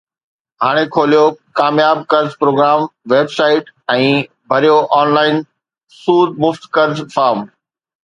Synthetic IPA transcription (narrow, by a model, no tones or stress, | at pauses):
ɦaːɽ̃ekʰoːlijokaːmjaːb̚kɐɾd͡ʑpɾoːɡɾaːmʋeːbsaːɪʈɛ̃ː | bʱɐɾijoʔaːnlaːɪn | suːd̪̚mʊft̪kɐɾzfaːɾm